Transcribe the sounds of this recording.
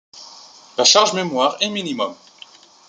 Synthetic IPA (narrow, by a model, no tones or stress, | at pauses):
laʃaʁʒmemwaʁɛminimɔm